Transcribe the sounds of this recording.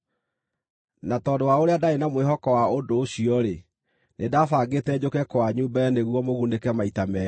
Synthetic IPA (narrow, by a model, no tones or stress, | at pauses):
natɔdowaoɾeadaenamweɦɔkɔwaodoːɕiɔɾe | nedafaɡetɛd͡ʑokɛkwaɲuːbaɛneɣwɔmoɣundekɛmaitamɛ